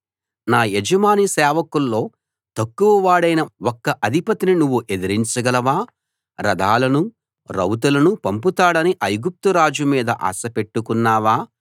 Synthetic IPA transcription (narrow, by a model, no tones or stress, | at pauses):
naːjed͡ʒɐmaːnisɛːʋɐkulːo̞ː | t̪ɐkːuʋɐʋaːɽɐjnɐwɔkːɐʔɐd̪ʱipɐt̪ininuʋːuʔe̞d̪iɾiɲt͡ʃɐɡɐlɐʋaː | ɾɐd̪ʱaːlɐnu | ɾɐwt̪̬ulɐnupɐmput̪aːɽɐniʔɐjɡup̚t̪uɾaːd͡ʒumiːd̪ɐʔa̰ːsɐpe̞ʈːukunːaːʋaː